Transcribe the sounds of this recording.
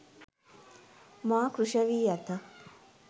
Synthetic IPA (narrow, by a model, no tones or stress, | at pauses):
maːkɾuʂɐʋiːjɐt̪ə